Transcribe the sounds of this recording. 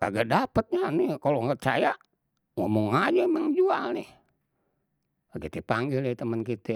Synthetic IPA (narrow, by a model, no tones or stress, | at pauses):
ka̰ɡadapət̪̚ɲanikaloŋət͡ʃa̰ja | ŋomuŋad͡ʒaməŋd͡ʒualnɛh | akit̪ɛpaŋɡilet̪əmənkit̪ɛ